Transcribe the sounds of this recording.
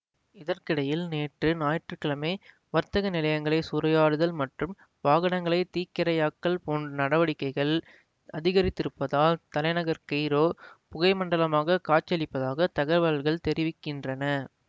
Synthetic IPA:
ɪðɐrkɪɽɐjɪlneːʈrɯnaːjɐʈrɯkɪɭɐmeː | ʋɐɾt̪ɐɣɐnɪlɐjɐŋɡɐɭɐɪsʊɾɐjaːɽɯðɐlmɐʈrɯm | ʋaːɣɐnɐŋɡɐɭɐɪt̪iːkːɪɾɐjaːkːɐɭpoːɳnɐɽɐʋɐɽɪkːɐɪɣɐɭ | ʔɐðɪɣɐɾɪt̪ːɪɾɯpːɐðaːlt̪ɐlɐɪnɐɣɐɾkɐɪɾoːpʊɣɐɪmɐɳɖɐlɐmaːɣɐkaːt͡ʃːɐlɪpːɐðaːɣɐt̪ɐɣɐʋɐɐlɣɐɭt̪ɛɾɪʋɪkːɪndrɐnɐ

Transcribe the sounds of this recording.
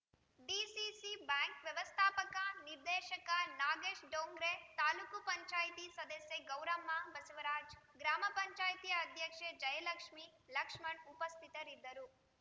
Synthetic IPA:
ɖiːsisibaːŋkʋjɐʋɐst̪ʰaːpɐkaniɾd̪ɛːʃɐkɐnaːɡeːʃɖoːŋɡɾet̪aːlukupɐɲt͡ʃaːjt̪isɐd̪ɐsjeɡɐwɾɐmːabɐsuʋɐɾaːd͡ʒɡɾaːmɐpɐɲt͡ʃaːjt̪ijɐːd̪ʱjɐkʂed͡ʒɐjɐlɐkʂmilɐkʂmɐɳupɐst̪ʰit̪ɐɾid̪ːɐɾu

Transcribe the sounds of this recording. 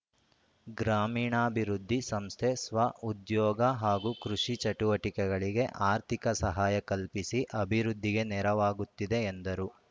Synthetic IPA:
ɡɾaːmiːɳaːbʱiɾud̪ʱːisɐmst̪ʰesʋɐud̪jɔːɡɐɦaːɡukɾuʂit͡ʃɐʈuʋɐʈikɛɡɐɭiɡe̞ʔaːɾt̪ʰikɐsɐɦaːjɐkɐlpisiʔɐbʱiɾud̪ʱːiɡe̞nɛɾɐʋaːɡut̪ːid̪e̞ːnd̪ɐɾu

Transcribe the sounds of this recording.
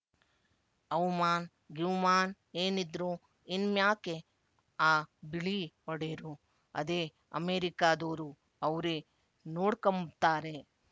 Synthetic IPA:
ɐwmaːn | ɡiʋmaːn | eːnid̪ɾu | inmjaːke | aːbiɭiɔɽeːɾu | ɐ̰d̪eː | ɐ̰meːɾikaːd̪oːɾu | ɐʋɾe | noːɽkɐmt̪aːɾe

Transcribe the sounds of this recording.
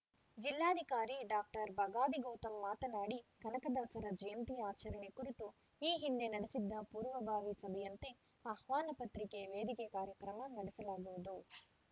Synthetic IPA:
d͡ʒilːaːd̪ʱikaːɾiɖaːk̚ʈɐɾbɐɡaːd̪iɡoːt̪ɐmːaːt̪ɐnaːɽikɐnɐkɐd̪aːsɐɾɐd͡ʒɐjɐnt̪ijaːt͡ʃɐɾɐɳekuɾit̪u | iːɦind̪enɐɽisid̪ːɐpuːɾʋɐbʱaːʋisɐbʱɛjɐnt̪e̞ | ɐhʋaːnɐpɐt̪ɾikeʋeːd̪ikekaːɾjɐkɾɐmɐnɐɽisɐlaːɡuʋud̪u

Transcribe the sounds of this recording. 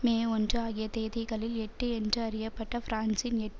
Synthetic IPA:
meːɔndrɯaːɣɪjɐt̪eːðɪɣɐɭɪlɛʈːɯɛndrɯɐɾɪjɐpːɐʈːɐfɾaːnsɪnɛʈː

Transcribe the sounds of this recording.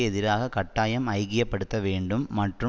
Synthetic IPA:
ɛðɪɾaːɣɐkɐʈːaːjɐmɐɪɣɪjɐpːɐɽɯt̪ːɐʋeːɳɖɯmːɐʈrɯ

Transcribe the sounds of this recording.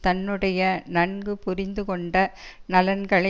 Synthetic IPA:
t̪ɐnːɯɽɐjɐnɐɳɡɯpʊɾɪnd̪ɯkɔɳɖɐnɐlɐnɡɐɭɐ

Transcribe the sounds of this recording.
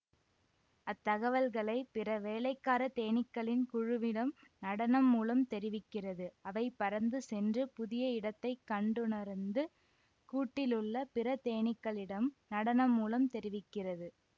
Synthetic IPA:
ɐt̪ːɐɣɐʋɐlɣɐɭɐɪpɪrɐʋeːlɐɪkːaːɾɐt̪eːɳɪkːɐɭɪnkʊɻʊʋɪɽɐmnɐɽɐnɐmːuːlɐmt̪ɛɾɪʋɪkːɪrɐðɯɐʋɐɪpːɐɾɐnd̪ɯsɛndrɯpʊðɪjɐɪɽɐt̪ːɐɪkːɐɳɖɯnɐɾnd̪ɯ | kuːʈːɪlɯɭːɐpɪrɐt̪eːɳɪkːɐɭɪɽɐmnɐɽɐnɐmːuːlɐmt̪ɛɾɪʋɪkːɪrɐðɯ

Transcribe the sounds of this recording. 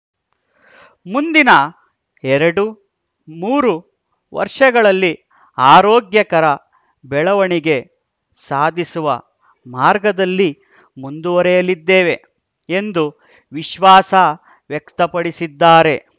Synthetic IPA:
mund̪inɐ | ɛɾɐɽu | muːɾu | ʋɐ̰ɾʂɐɡɐɭɐlːi | aːɾoːɡjɐkɐɾɐ | bɛɭɐʋɐɳiɡe̞ | saːd̪ʱisuʋɐ | maːɾɡɐd̪ɐlːi | mund̪uʋɐɾɛjɐlid̪ːeːʋe̞ | end̪u | ʋiʃʋaːsɐ | ʋjɛkt̪ɐpɐɽisid̪ːaːɾe̞

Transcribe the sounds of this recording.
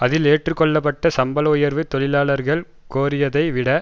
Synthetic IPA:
ɐðɪleːʈrɯkːɔɭːɐpːɐʈːɐsɐmbɐlʊjɐɾʋɯt̪ːɔɭɪlaːɭɐɾɣɐɭ | koːɾɪjɐðɐɪʋɪɽɐ

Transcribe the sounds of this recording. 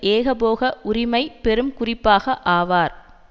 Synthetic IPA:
ʔeːɣɐpoːɣɐʔʊɾɪmɐɪpɛɾɯmkʊrɪpːaːɣɐʔaːʋaːɾ

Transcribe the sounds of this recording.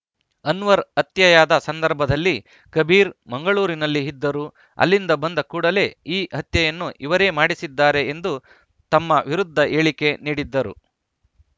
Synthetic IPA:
ɐnʋɐɾɐt̪jɐjaːd̪ɐsɐnd̪ɐɾbʱɐd̪ɐlːi | kɐbʱiːɾmɐŋɡɐɭuːɾinɐlːiɦid̪ːɐɾu | ɐ̰lːind̪ɐbɐnd̪ɐkuːɽɐle̞ːiːɦɐt̪jɐjɐnːuʔiʋɐɾe̞ːmaːɽisid̪ːaːɾe̞ːnd̪u | t̪ɐmːɐʋiɾud̪ʱːɐʔe̞ːɭike̞niːɽid̪ːɐɾṵ

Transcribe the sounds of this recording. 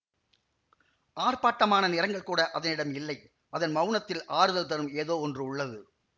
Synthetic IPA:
ʔaːrpaːʈːɐmaːnɐnɪɾɐŋɡɐɭkuːɽɐʔɐðɐnɪɽɐmɪlːɐɪ | ɐðɐnmɐʊnɐt̪ːɪlʔaːɾɯðɐlt̪ɐɾɯmeːðoːɔndrɯʊɭːɐðɯ

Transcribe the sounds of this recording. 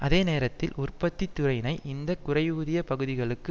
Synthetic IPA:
ʔɐðeːneːɾɐt̪ːɪlʊrpɐt̪ːit̪ːʊɾɐɪnɐɪʔɪnd̪ɐkʊrɐɪuːðɪjɐpɐɣɯðɪɣɐɭɯkːɯ

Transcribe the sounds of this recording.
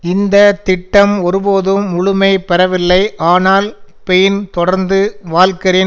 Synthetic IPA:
ɪnd̪ɐt̪ɪʈːɐmɔɾɯboːðɯmːʊɻʊmɐɪpɛɾɐʋɪlːɐɪʔaːnaːl | pɛjɪnt̪ɔɽɐɾnd̪ɯʋaːlkɐɾeː

